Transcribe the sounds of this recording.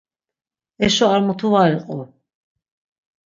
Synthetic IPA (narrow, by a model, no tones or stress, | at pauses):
ɛʃɔaɾmut̪ʰuvaɾiqʼɔ